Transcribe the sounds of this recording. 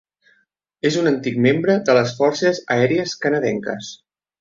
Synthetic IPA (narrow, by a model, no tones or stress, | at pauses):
ezunənt̪ik̚membɾəðələs̬fɔɾsəzə̰ɛɾiəskənəðɛŋkə̰s